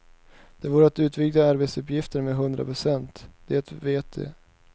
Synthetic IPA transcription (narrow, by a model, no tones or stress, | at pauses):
d̪̥ɛvuːɾəat̪ʉ̟ːt̪vɪɡd̪aaɾbet̪sɵpjɪft̪əɾmeɦɵnd̪ɾa̰pʰɾʊsɛnt̪d̪̥ɛɛt̪veːt̪ʰḛː